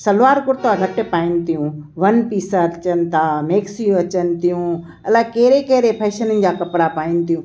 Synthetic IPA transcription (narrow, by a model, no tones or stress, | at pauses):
sɐlʋaːɾkʊɾt̪aɡʱɐʈpaːɪnɪ̆t̪ijũʋɐnpiːsəɾt͡ɕən̆t̪ʰameːksijũɐt͡ɕən̆t̪ijũ | ɐlakeɦɾekeɦɾepʰeːʃənənɪ̆d͡ʑaːkɐpɾapaːɪnɪ̆t̪ijũː